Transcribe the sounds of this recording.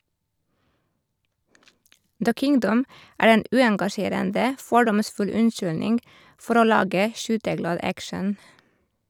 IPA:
də ˈkɪŋdəm ˈæːɹ ˈeːn ˈʉːɛŋɡɑˌʃeːɾəndə ˈfɔɖɔmˌsfʉl ˈʉnˌʃʏlnɪŋɡ ˈfɔɾ ˈoː ˈlɑːɡə ˈʃyːtəˌɡlɑːd ˈækʃən

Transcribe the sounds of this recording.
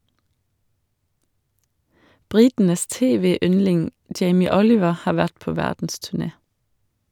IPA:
ˈbɾɪtn̩əs ˈteːˌʋeːˌʏnlɪŋ ˈd͡ʒeɪmɪ ˈɔlɪʋə ˈhɑːɾ ˈʋæʈ ˈpoː ˈʋædn̩stʉˌɳeː

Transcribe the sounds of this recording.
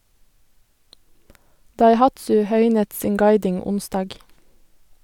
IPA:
dɑɪˈhɑtsʉ ˈhœʏnət ˈsiːŋ ˈɡɑɪdɪŋ ˈʊnstɑːɡ

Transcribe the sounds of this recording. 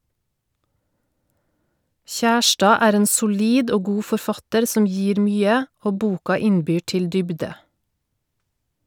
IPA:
ˈçæˌʃʈɑː ˈæːɾ ˈeːn sʊˈliːd ˈoː ˈɡuː fɔɾˈfɑtəɾ ˈsɔm ˈjiːɾ ˈmyːə ˈoː ˈbuːkɑ ˈɪnˌbyː ˈʈɪl ˈdʏbdə

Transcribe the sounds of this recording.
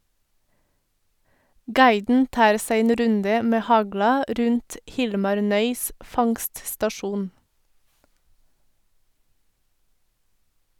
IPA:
ˈɡɑɪdn̩ ˈtɑːɾ ˈsæɪ ˈeːn ˈɾʉndə ˈmeː ˈhɑɡlɑ ˈɾʉnt ˈhɪlmɑɾ ˈnœʏs ˈfɑŋststɑˌʃuːn

